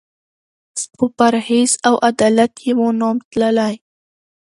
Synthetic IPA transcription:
pəpaɾhez̥awʔad̪ɑlat̪jewonɑmt̪ləlaj

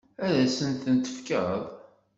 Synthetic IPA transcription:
æðæsənt̪ənt̪ə̥fkəðˤ

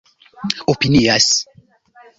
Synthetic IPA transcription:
opinias

